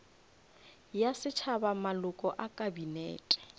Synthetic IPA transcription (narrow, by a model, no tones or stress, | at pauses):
jasɪt͡ʃʰabamalʊkʼɔʔakʼabinɛ̰ːtʼɛ̥